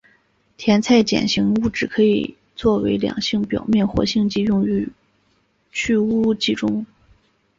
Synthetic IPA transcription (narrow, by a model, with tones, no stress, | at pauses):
t̪ʰjɛ˧˥nt͡sʰa˥˩ɪt͡ɕjɛ̰˨˩nɕi˧˥ŋu˥˩ʈ͡ʂɻ̩˨˩kʰɤ˧˥ḭ˨˩ | t͡swɔ˥˩we˧˥ɪljɑ̰˨˩ŋɕi˥˩ŋpjɑ̰˨˩ʊmjɛ˥˩nxwɔ̰˧˥ɕi˥˧ŋt͡ɕi˥˧jʊ˥˩ŋy˧˥ | t͡ɕʰy˥˧u˥t͡ɕi˥˩ʈ͡ʂʊ˥ŋ